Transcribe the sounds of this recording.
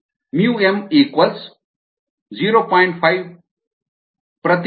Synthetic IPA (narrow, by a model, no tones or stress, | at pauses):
mjuːemiːkʋɐls | ziːɾoːpãːiɳʈpʰaiʋ | pɾɐt̪